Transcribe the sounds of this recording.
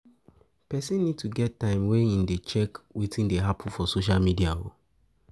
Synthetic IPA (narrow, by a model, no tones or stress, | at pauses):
pɛsĩnːid̚tuɡɛtːãɪ̃mwɛ̃nĩndet͡ʃɛkwitĩndeɦapʰũfɔsoʃ̬almidia̰o̰